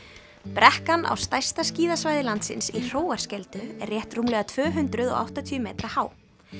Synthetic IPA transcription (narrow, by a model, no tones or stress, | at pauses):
pɾɛhkana̰wst̪ajst̪asciːðasvaːjðɪlant̪sɪ̰nsir̥oːwaɾ̥scɛlt̪ʏɛ̰rːjɛht̪rumlɛɣat̪ʰvœːɦʏnt̪ɾʏðɔ̰ɣa̰wht̪at̪ʰyːʏmeːt̪ɾahaːw